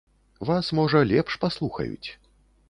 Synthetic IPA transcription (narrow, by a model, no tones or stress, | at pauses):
vasmɔʐɐlʲɛpʂpaslˠuxɐ̰jṵt͡sʲ